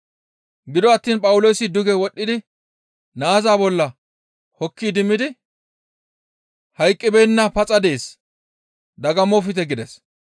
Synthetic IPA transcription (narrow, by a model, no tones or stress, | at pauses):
ɡɪd̪ɔɐt̪ːiːnpʼɐwʊlo̞ːsɪd̪ʊɡɛwɔɗːɪd̪ɪ | naːzaːbɔlːɐ | hɔkːiːd̪ɪmːɪd̪ɪ | hɐjkʼːɪbɛjnːɐpɐt͡sʼɐd̪e̞ːs | d̪ɐɡɐmɔfɪt̪ɛɡɪd̪ɛs